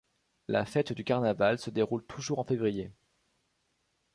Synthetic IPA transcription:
lʔa̰fɛt̪d̪ykaʁnavalsəd̪eʁult̪ʰuʒuʁɑ̃fevʁije

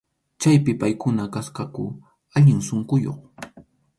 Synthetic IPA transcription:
t͡ʃajpɪpajkʊnakaskakʊ | aʎɪŋsoɴkʊjo̰χ

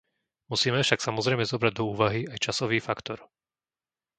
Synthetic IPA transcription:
musiːmɛfʃaksamɔzɾɛjmɛzɔbɾaɟ̚d̪ɔuːʋaɦiajt͡ʃasɔʋiːfakt̪ɔɾ

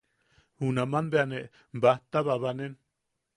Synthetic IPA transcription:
hunamanbeaneʔ | mbaht̪aβaβanen

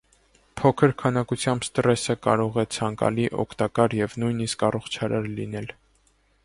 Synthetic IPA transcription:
pʰɔkʰəɾkʰɑnɑkut͡sʰjɑmbst̪əɾɛsəkɑ̰ɾɔʁɛt͡sʰɑŋkɑ̰liʔɔ̰kʰt̪ɑkɑɾjɛvnujniskɑrɔχt͡ʃʰɑɾɑɾlḭn̪ɛl

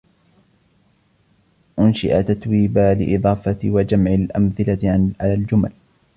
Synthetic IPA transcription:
ʔʊnʃɪʔat̪at̪wiːbaːlɪ̰ʔɪd̪ˤɑːfɑt̪wad͡ʒamʕɪlʔamθɪlaʕalaːld͡ʒʊmal

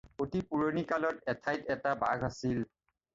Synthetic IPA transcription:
otipuɹonikalɔtɛtʰajtɛtabaɡʱasil

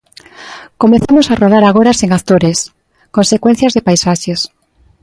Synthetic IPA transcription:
komeθamosaroðaɾaɣoɾaseŋaθt̪oɾes | konsekwẽn̟θjazðepajsaʃes

